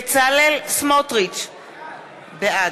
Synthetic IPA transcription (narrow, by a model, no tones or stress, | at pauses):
t͡salelsmot̪ʁit͡ʃ | bea